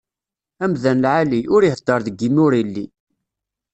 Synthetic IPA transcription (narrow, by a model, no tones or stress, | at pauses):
æmðænlʕaliʔʊɾihəd̪ːɑɾˤðəɡːimʊɾilːi